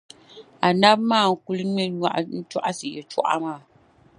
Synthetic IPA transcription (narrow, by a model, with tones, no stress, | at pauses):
a˨na˦bmaː˦˨ŋ̩˨ku˦lɨ˦ɲɛ˦a˦˨ʔn̩˦t͡ʃu˦ʔa˦sɨ˨jɛ˨t͡ʃɔ̰˦ʔa̰˦maː˦˨